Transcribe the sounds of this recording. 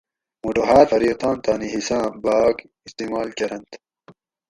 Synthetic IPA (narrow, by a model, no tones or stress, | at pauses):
muɖoɦaːt̪fɐɾiːt̪ãːnt̪aːniɦisãːbaːɡ | ist̪iːmaːlkɐɾɐnt̪